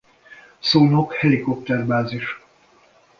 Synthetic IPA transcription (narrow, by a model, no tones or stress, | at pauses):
soːnokhɛlikop̚t̪ɛrbaːziʃ